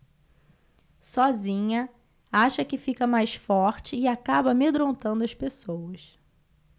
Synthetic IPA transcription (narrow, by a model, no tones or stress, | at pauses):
sɔzĩɲɐ | aʃɐkɪfikɐmajsfɔɾt͡ʃɪːakabɐmed̪ɾõnt̪ɐ̃nd̪ʊɐspesowɐs